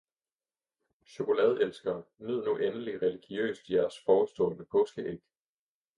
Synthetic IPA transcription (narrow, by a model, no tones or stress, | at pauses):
ɕo̝ko̝lɛð̞ˠelsɡ̥ɐːnyð̰ˠnuʔenəliʁɛliɡ̥jø̰ːsd̥jæɐsfɒːsd̥ɔ̰̽ːnəpʰɔ̽ːsɡ̥əʔeɡ̥